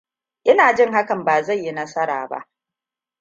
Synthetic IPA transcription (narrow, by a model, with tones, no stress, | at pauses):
ʔɪ˦naː˨d͡ʒɪ˦˨ŋɦa˦kɐ˨mbaː˨za˦˨jːi˦nɐ˦sɐ˦ɾaː˨ba̰˦ʔ